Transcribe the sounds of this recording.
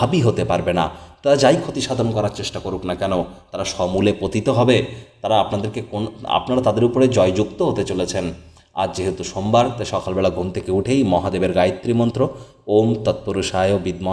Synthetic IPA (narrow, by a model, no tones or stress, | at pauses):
abiɦot̪epaɾbena̰t̪aɾad͡ʑajkʰot̪iʃad̪ʱonkɔɾaɾt͡ɕeʃʈakoɾuknakɛnot̪aɾaʃɔmulepot̪it̪oɦɔbet̪aɾaapnad̪eɾkekona̰pnaɾat̪ad̪eɾupoɾed͡ʑɔed͡ʑukt̪oɦot̪et͡ɕolet͡ɕʰen | a̰ɾd͡ʑeɦet̪uʃombaɾt̪aʃɔkʰalbɛlaɡʱumt̪ʰekeuʈʰejmɔɦad̪ebeɾɡajt̪ːɾimɔnt̪ɾo | omt̪at̪̚poɾuʃajobid̪ma